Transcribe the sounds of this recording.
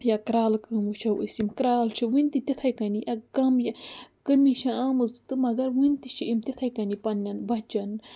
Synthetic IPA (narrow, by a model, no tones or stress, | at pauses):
jakɾaːlkɨmuʃɐwə̰simkɾaːlt͡ʃʰiwinʲt̪it̪ʲit̪ʰɐjkɐniʔɐɡɐmjakəmiʃaaːmɨzt̪ɨmɐɡɐɾwint̪iʃiʔimt̪it̪ʰɐjkɐnipɐnːɐnbɐt͡ʃɐn